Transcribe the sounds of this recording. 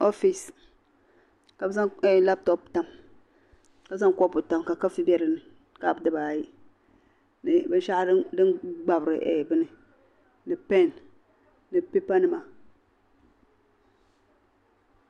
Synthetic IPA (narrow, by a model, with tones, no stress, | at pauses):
o˦fi˨s | ka˨bza˦e˦˨la˦p̚to˦pta˨m | ka˦bza˦ŋ˦ko˦pu˨ta˨mka˨ka˦fi˦ba˦ɾi˨ni˨ | ka˦˨bdɨ˦ba˨ji˦ | ni˨bi˦n˦ʃa˦di˦ŋ˦ɡ͡ba˨bɾi˨ʔḛ˨bɨ˦ni˦ | ni˨pe˦˨n | ni˨pe˦pa˦nɨ˨ma˨